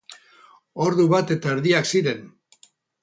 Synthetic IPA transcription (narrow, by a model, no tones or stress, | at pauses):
o̞ɾðuβat̪e̞t̪aeɾðiaksiɾe̞n